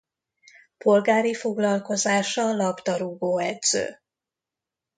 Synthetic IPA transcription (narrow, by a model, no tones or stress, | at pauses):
pʰo̞lɡaːɾifo̞ɡlɒlko̞zaːʃɒlɒbt̪ɒɾuɡoːɛd̪z̥ø̰ː